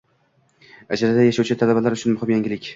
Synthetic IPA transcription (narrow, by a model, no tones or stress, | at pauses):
ad͡ʒalad̪ajaʃawt͡ʃʰɪt̪ʰalabalaɾʊt͡ʃʰʊnmʊhɪmjaŋɡʲɪlɪkʲ